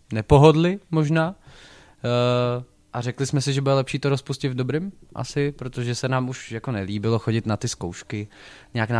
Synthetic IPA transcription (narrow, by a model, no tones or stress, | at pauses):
nɛpo̞ɦodlɪmo̞ʒnaː | ʔarɛklɪsmɛsɪʒɛbudɛlɛpʃiːt̪oɾospuscɪd̪vdobɾɪmʔa̰sɪpɾot̪o̞ʒɛsɛnaːmuʃjako̞nɛliːbɪloxo̞ɟɪt̪nat̪ɪskowʃkɪɲɛaːkna